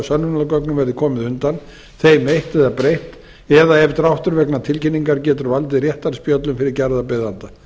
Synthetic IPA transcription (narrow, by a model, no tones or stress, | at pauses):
sœnːʏnalkœknʏmvɛɾðɪkʰɔːmɪðʏnt̪an | θejmejht̪ɛðapɾejht̪ | ɛðaɛvt̪ɾawht̪ʏɾvɛknat̪ʰɪlcɪnːiŋkaɾcɛːt̪ʏɾvalt̪̬ɪrjɛht̪aɾspjœt̪lʏmfɪɾɪɾcɛɾðapeðant̪a